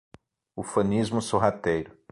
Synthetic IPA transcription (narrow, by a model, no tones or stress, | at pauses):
ufɐ̃nizmʊsoɦat̪ejɾʊ